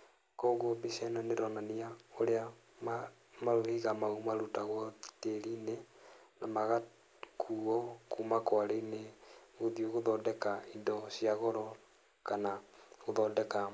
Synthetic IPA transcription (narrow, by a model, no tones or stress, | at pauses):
kɔɣobisɛnɔneɾɔnaniaoɾea | m | maɾohiɣamaumaɾutaɣwɔteɾinenamaɣa | kʰuɔkumakwaɾeineɣoðioɣoðɔdɛkaindɔsjaɣɔɾɔ | kanaɣoðɔdɛka